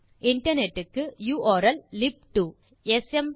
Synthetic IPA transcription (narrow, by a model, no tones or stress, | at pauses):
ɪɳʈɐɾnɛʈːɯkːɯjuːʔoːɾɐllɪp̚ʈu | ɛsɛm